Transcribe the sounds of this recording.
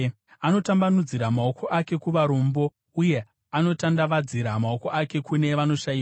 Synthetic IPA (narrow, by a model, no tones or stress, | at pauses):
ano̞tambanud͡ziɾamao̞kʰo̞ʔake̞kuʋaɾoːmbo̞ | uje̞ | ano̞tandaʋad͡ziɾamao̞ko̞ʔake̞kune̞ʋano̞ʃaia